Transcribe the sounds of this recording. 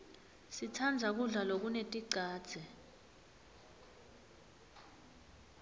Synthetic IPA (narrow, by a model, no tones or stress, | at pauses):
sitʰand͡zʱak̬uɮalok̬unetʼiǀʱaːd̥z̥ʱɛ